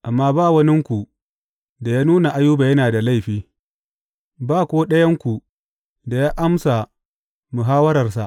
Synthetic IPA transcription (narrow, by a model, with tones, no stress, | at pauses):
ʔa˨mːaː˦baː˦˨wɐ˦nɪ˦ŋkʷu˨ | da˨jaː˦nuː˦na˨ʔa˦juː˦ba˨jɐ˦naː˨da˨la˦˨jɸiː˦ | baː˦˨kʷoː˦ɗɐ˦jɐ˦ŋkʷu˨ | da˨jaː˦ʔa˦msa˨ | mu˨ɦaː˦wɐ˦ɾɐ˨rsa˨ʔ